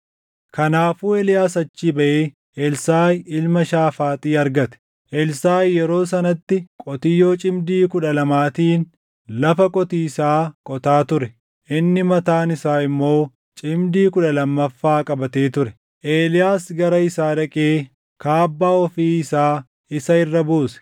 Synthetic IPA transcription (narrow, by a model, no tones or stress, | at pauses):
kɐnaːfuːelɪjaːsɐt͡ʃːiːbɐʔeː | ʔɛlsaːjɪlmɐʃaːfaːt̪ʼiːɐɾɡɐt̪ɛ̥ | ʔɛlsaːjːɛɾo̞ːs̬ɐnɐt̪ːɪkʼɔt̪ɪjːo̞ːt͡ʃʼɪmd̪iːkʊᶑɐlɐmaːt̪iːn | lɐfɐkʼɔt̪iːɪsaːkʼɔt̪aːt̪ʊɾɛ | ʔɪnːɪmɐt̪aːnɪsaːɪmːo̞ː | t͡ʃʼɪmd̪iːkʊᶑɐlɐmːɐfːaːkʼɐbɐt̪eːt̪ʊɾɛ | ʔeːlɪjaːsɡɐɾɐɪsaːɾɐkʼeː | kaːbːaːɔfiːɪsaː | ɪsɐɪrːɐbuːsɛ̥